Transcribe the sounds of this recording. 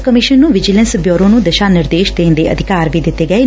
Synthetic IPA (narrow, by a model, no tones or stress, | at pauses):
kəmɪʃənːũːʋɪd͡ʒɪlə̃nsbjoːɾõːnũːd̪əʃaːnɪɾd̪eːʃd̪ẽːnd̪eːʔə̰d̪ʱɪkaːɾʋiːd̪ɪt̪ːeːɡəeː